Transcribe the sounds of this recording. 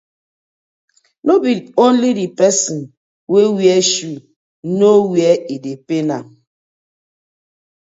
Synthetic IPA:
nobidõnlidipɛsɔn | wewjɛʃu | nowjɛidepenam

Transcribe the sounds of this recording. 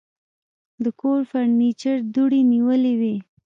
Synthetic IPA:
d̪əkoɾfaɾnit͡ʃəɾd̪uɽiniwəlewi

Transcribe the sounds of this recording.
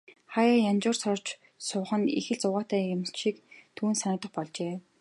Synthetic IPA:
χajaːjant͡ɕʊːrsɔr̥t͡ɕ | sʊχə̆nḭxɘ̆ɮt͡sʊʁaːt̪æːjʊmʃikt̪ʰuːnsanʊ̆t̪ə̆χpɔɮt͡ɕeː

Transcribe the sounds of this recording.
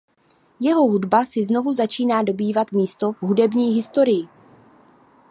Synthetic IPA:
jɛɦo̞ɦudbasɪzno̞vuzat͡ʃiːnaːdo̞biːvat̪miːst̪o̞ɦudɛbɲiːɦɪst̪o̞ɾɪjɪ

